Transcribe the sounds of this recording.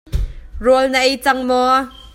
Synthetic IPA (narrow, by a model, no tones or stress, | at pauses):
rɔlnəʔejt͡sɐŋmɔ